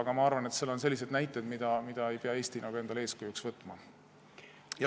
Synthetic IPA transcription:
ɑɡ̥ɑmɑɑrvɑne̞t̪selo̞nse̞lːis̬e̞d̪næjt̪ˑːe̞d̪mid̪̥ɑmid̪̥ɑe̞jpe̞ɑeːsʲt̪inʔoɡe̞nd̪̥ɑleːskujuksvɤt̪ːˑmɑ | j

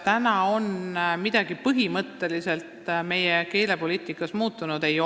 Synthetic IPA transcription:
t̪ænɑo̞nmid̪̥ɑɡ̥ipɤɦimɤt̪ːe̞lise̞lt̪me̞jeke̞ːle̞po̞liːt̪ˑikːˑɑsmuːt̪ːˑunud̪̥e̞jo

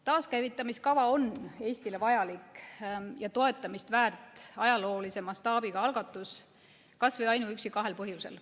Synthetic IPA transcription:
t̪ɑːskæjvit̪ˑːɑmiskɑvɑo̞ne̞ːsʲt̪ile̞vɑjɑlikːjɑt̪o̞e̞t̪ːˑɑmist̪væːrt̪ːˑɑjɑlo̞ːlise̞mɑst̪ɑːbiɡ̥ɑɑlɡ̥ɑt̪ːˑus | kɑsvɤjɑjnuyksikɑɦe̞lpɤɦjuse̞̰l

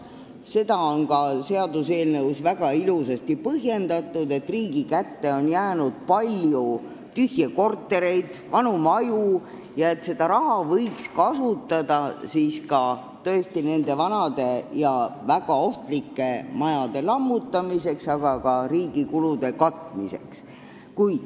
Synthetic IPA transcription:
se̞d̪̥ɑo̞nkɑse̞ɑd̪use̞ːlnɤwsvæɡ̥ɑilusɑst̪ipɤɦje̞nd̪̥ɑt̪ːˑud̪e̞t̪ːriːɡikæt̪ːe̞o̞njæːnud̪̥̚pɑlʲju | t̪yhjeko̞rt̪ːˑe̞ɾe̞jd̪̥vɑnumɑju | jɑe̞t̪se̞d̪̥ɑɾɑɦɑvɤjkskɑsut̪ːˑɑd̪̥ɑsiːskɑ | t̪ɤ̞est̪ine̞nd̪e̞vɑnɑd̪̥e̞jɑvæɡ̥ɑo̞ht̪likːe̞mɑjɑd̪̥e̞lɑmːut̪ːˑɑmise̞ksɑɡ̥ɑkɑɾiːɡ̥ikulud̪̥e̞kɑt̪ːˑmise̞̰ks | kujd̪̥

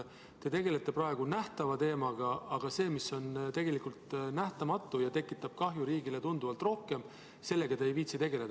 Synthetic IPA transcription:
t̪e̞t̪e̞ɡe̞le̞t̪ːˑe̞pɾɑe̞ɡ̥unæht̪ɑvɑt̪e̞ːmɑɡ̥ɑɑɡ̥ɑse̞ːmiso̞nt̪e̞ɡe̞likult̪næht̪ɑmɑt̪ːˑujɑt̪e̞kːˑit̪ːˑɑb̥̚kɑɦjuɾiːɡile̞t̪und̪uvɑlt̪ro̞hke̞m | se̞lːe̞ɡ̥ɑt̪eejviːt̪sit̪e̞ɡ̥e̞led̪

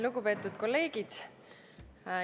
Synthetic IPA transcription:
luɡ̥upe̞ːt̪ːˑud̪̥ko̞lːe̞ːɡ̥id̪̥

